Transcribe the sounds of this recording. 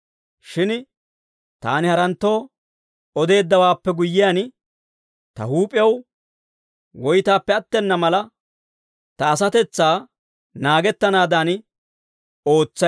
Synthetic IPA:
ʃɪn | t̪a̰ːnɪhɐɾɐnt̪ːo̞ː | ɔd̪e̞ːd̪ːɐwaːpːɛɡʊjːɪjan | t̪ɐ̰huːpʼɪjɛw | wɔjt̪aːpːɛɐt̪ːɛnːɐmɐlɐ | t̪ɐːs̬ɐt̪ɛt͡sːaː | naːɡɛt̪ːɐnaːd̪ɐn | o̞ːt͡sːɐ

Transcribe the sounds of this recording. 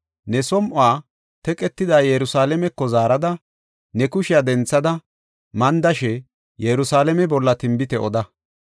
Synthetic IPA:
nɛsɔmʔʊaː | t̪ɛkʼɛt̪ːɪd̪aːjɛɾʊsaːlɛmɛkːɔzaːɾɐd̪ɐ | nɛkʊʃɪjad̪ɛnt͡sːɐd̪ɐ | mɐnd̪ɐʃɛ | jɛɾʊsaːlɛmɛbɔlːɐt̪ɪmbɪt̪ɛʔɔd̪ɐ

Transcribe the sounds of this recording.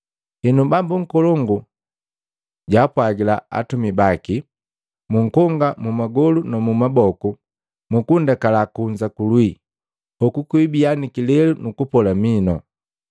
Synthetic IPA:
inubambuŋ̩kɔlɔŋɡu | ɟaːpwaɡila̰a̰tumibaki | muŋ̩kɔŋɡamumaɡɔlunamumabɔku | mukundakalakuɲd͡ʒakulwi | ɔkukwibianikilɛlunukupɔlaminɔ̰

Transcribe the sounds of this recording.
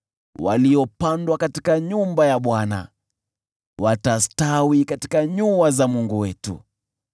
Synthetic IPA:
wa̰liɔpandwakati̥kaɲumbajaɓwana̰ | watastawikati̥kaɲuazamuŋɡuwɛtṵ

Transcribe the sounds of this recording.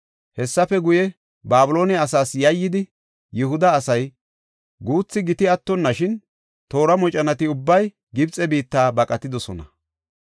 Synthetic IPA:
hɛsːɐfɛɡʊjɛ | baːbʊlo̞ːnɛɐs̬aːsjɐjːɪd̪ɪ | jʊɦʊd̪ɐːsɐj | ɡuːt͡sːɪɡɪt̪ɪɐt̪ːɔnːɐʃɪn | t̪o̞ːɾɐmɔt͡ʃʼɐnɐt̪ɪʊbːɐj | ɡɪbt͡sʼɛbiːt̪ːaːbɐkʼɐt̪ːɪd̪ɔsɔnɐ̰

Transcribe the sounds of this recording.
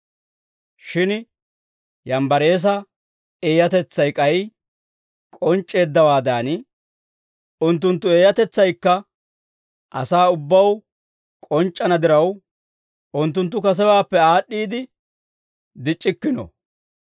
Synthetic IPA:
ʃɪn | jɐmbɐɾe̞ːs̬ɐ | e̞ːjɐt̪ɛt͡sːɐjkʼɐj | kʼɔnt͡ʃʼːe̞ːd̪ːɐwaːd̪aːn | ʊnt̪̬ːʊnt̪ːʊe̞ːjɐt̪ɛt͡sːɐjkːɐ | ʔɐ̰saːʊbːɐw | kʼɔnt͡ʃʼːɐnɐd̪ɪɾɐw | ʔʊnt̪ːʊnt̪̬ːʊkɐs̬ɛwaːpːɛaːɗːiːd̪ɪ | d̪ɪt͡ʃʼːɪkːɪnɔ̰

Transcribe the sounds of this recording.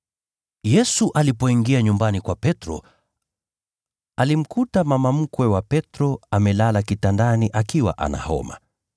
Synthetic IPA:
jɛsuʔalipɔiŋɡiaɲumbanikwapɛtɾɔ̰ | alim̩kutamamam̩kwɛwapɛtɾɔamɛlalakitandaniʔakiwa̰ʔa̰na̰hɔ̰ma̰

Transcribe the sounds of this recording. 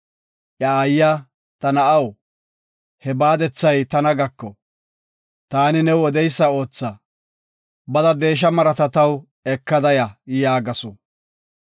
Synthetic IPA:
ʔjɐːjːa | t̪ɐnɐʔɐw | hɛbaːd̪ɛt͡sːɐjt̪ɐnɐɡɐkːɔ | t̪aːnɪnɛwɔd̪ɛjsːɐo̞ːt͡sːɐ | bɐd̪ɐd̪e̞ːʃ̬ɐmɐɾɐt̪ɐt̪ɐw | ɛkːɐd̪ɐjɐjaːɡɐsɔ

